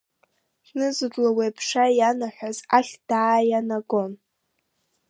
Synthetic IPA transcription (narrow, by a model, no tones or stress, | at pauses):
ħnɨzɨdlawepʰʂajanaħʷᶣazaχʲd̥aːjanaɡo̞n